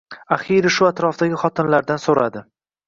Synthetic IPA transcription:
aχiɾɪʃʊat̪ɾɒfd̪aɡʲɪχɒt̪ʰɪnlaɾd̪ansoɾad̪ɪ

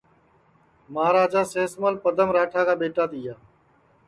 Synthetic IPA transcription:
məɦaːɾaːd͡ʒaːseːsməlpəd̪əmɾaːʈʰaːkaːɓeːʈaːt̪ɪjaː

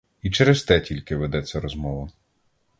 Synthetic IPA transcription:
it͡ʃɛɾest̪ɛtʲilʲkɪʋed̪ɛt͡sʲːɐɾɔzmɔʋɐ

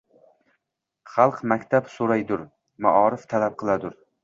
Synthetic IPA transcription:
χɑlˠqmakʲt̪ʰapsoɾajd̪ʊɾ | ma̰ʔɒɾɪft̪ʰalap̚qʰɨlˠad̪ʊɾ

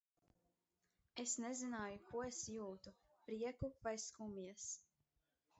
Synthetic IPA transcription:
esnezinaːjukuɔesjuːt̪upɾiɛkupajskumiɛs

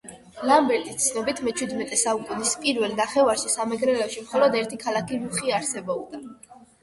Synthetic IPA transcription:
lambɛɾt̪ʼist̪sʰnɔbit̪ʰmɛt͡ʃʰwid̪mɛt̪ʼɛsaukʼunispʼiɾvɛlnaχɛvaɾʃisamɛɡɾɛlɛʃimχɔlɔd̪ɛɾt̪ʰikʰalakʰiɾuχiaɾsɛbɔbd̪a

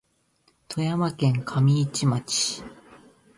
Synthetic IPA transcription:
t̪ʰo̞jamakẽ̞ŋkʰamʲiːt͡ɕimat͡ɕi̥

